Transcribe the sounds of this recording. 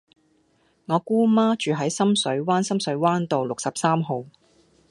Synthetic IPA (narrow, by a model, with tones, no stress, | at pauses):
ŋɔː˨˧kuː˥maː˥t͡ʃyː˨ɦɐ˨˥jsɐ˥msɵ˨˥ɥwaː˥nsɐ˥msɵ˨˧˥ɥwaː˥nt̪o˨wlʊ˨k̚sɐ˨p̚saː˥mɦo˨˧w